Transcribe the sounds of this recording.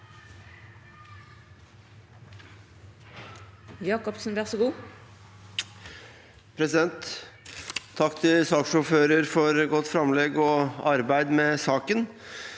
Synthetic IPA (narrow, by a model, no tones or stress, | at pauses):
jɑːkɔpsnʋæːʁsoɡuː | pʰɾɛsɪd̪ɛnt̪ | ɑkːt̪ʰɪlsɑːkʂɔføːɾəɾfɔɾɡɔt̪ːfɾɑmleːɡɔɑɾbæɪd̪meːsɑːkən